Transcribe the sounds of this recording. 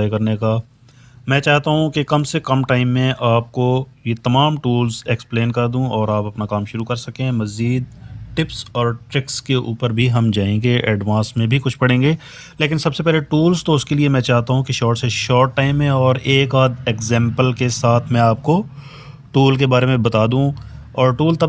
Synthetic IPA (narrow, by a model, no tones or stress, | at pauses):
kɐɾnekaː | mɛ̃ːt͡ʃaːɦt̪aɦũkekɐmsekɐmʈaːɪmːẽʔaːp̚kojet̪ɐmaːmʈuːlzekspleːnkɐɾd̪ũɔːɾaːpɐpnakaːmʃʊɾukɐɾsɐkẽmɐziːd̪̚ʈɪpsɔːɾʈɾɪkskeʔṵːpəɾbʱiɦɐmd͡ʒaːẽːŋɡeʔɛːɖʋãːsmẽbʱikʊt͡ʃʰpɐɽẽːŋɡeː | leːk̬ɪnsɐbsepɛɦleʈuːlzt̪oʊskeliemɛ̃t͡ʃaːɦt̪aɦũkeʃɔːɾʈseʃɔːɾʈːaːɪmɦɛ̃ɔːɾeːkaːd̪ekzɛ̃ːmpəlkesaːt̪ʰmɛ̃aːp̚ko | ʈuːlk̬ebaːɾemẽbɐt̪aːd̪ũɔːɾʈuːlt̪ɐ